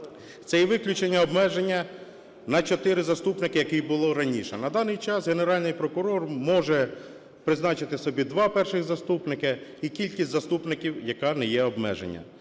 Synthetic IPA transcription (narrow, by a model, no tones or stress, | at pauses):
t̪sɛjɛʋɪklʲʊt͡ʃenʲːɐɔbmɛʒenʲːɐ | nɐt͡ʃɔt̪ɪɾɪzɐst̪upnɪkɪjɐkɪjbʊlˠɔɾɐnʲiʃɛnɐd̪ɑnɪjt͡ʃɑsɣeneɾɑlʲnɪjpɾɔkʊɾɔrmɔʒɛ | pɾɪznɑt͡ʃɪt̪ɪsɔbʲid̪ʋɑpɛrʃɪxzɐst̪upnɪkɪikʲilʲkʲisʲzɐst̪upnɪkʲiwjɐkɑnɛjɛɔbmɛ̰ʒḛnʲːɐ̰